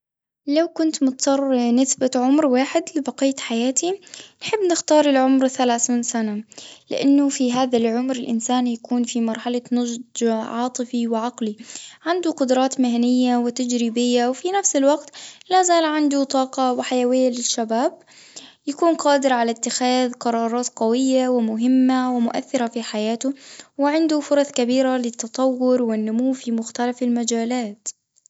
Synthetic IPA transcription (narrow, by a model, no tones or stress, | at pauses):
lawkʊnt̪mʊt̪sɑrˤnɪsbaʕʊmɾwaːħɪd̪lɪbaqiːt̪ħajaːt̪inħɪbːnɪxt̪ɑːɾˤɪlʕʊmɾθalaːθiːnsanalɪ̰ʔanːʊfiɦaːðalʕʊmɾɪlʔɪnsaːnjakuːnfimɑɾˤħalanʊd͡ʒdʕɑːt̪ˤɨfiwɪʕaqliʕand̪uqʊd̪ɾˤɑːt̪mɪhanɪjːawɪt̪ad͡ʒɾiːbɪjːawfinafsɪlwaqt̪lazaːlʕɪnd̪ʊt̪ˤɑːqɑwɪħajawɪjːalɪʃːabaːb̚ | jakuːnqɑːd̪ɪɾʕalat̪ːɪxaːðqɑɾˤɑːɾˤɑːt̪qawɪjːawɪmʊɦɪmːawɪmʊʔa̰θːɪɾafiħajaːt̪ʊwɪʕɪnd̪ʊfʊɾˤɑθkabiːɾalɪt̪ːɑt̪ˤɑwːʊɾwɪnːʊmuːfimʊxt̪alafalmad͡ʒaːlaːt̪